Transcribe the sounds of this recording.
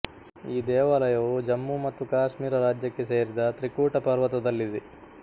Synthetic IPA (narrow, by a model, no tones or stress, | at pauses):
iːd̪ɛːʋaːlɐjɐʋud͡ʒɐmːumɐt̪ːukaːʂmiːɾɐɾaːd͡ʒjɐkːe̞seːɾid̪ɐt̪ɾikuːʈɐpɐɾʋɐt̪ɐd̪ɐlːid̪e